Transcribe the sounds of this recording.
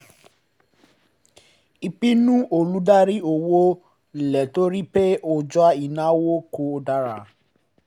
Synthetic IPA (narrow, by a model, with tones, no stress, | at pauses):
i˧k͡pi˦nũ˦ʔo˦˨lu˨˦da˦ɾi˦o˨wo˦˨ | lɛ˨to˦ɾi˦pe˦o˧d͡ʒɔ˦a˦i˨nã˨˦wo˦ko˧˦o˧da˧ɾa˧˨